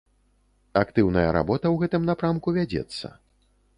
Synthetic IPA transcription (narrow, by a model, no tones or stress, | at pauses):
akt̪ɨwnɐjɐɾa̰bɔt̪ɐwɣɛt̪ɨmnapɾamkuvʲad͡zʲɛ̰t̪sːɐ̰